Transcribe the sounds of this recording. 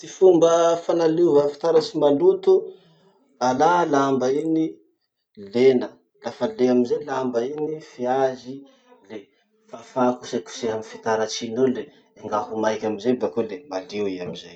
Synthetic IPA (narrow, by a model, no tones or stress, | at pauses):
t̪ifumbəfanalivafi̥t̪aɾasimalut̪u | alalambaini | lenə | lafəleamizelambainifiazi | le | fafakuseku̥seɦamifit̪aɾat͡ʃinole | eŋɡaɦumajkʲamizebakolemaliwiamizaj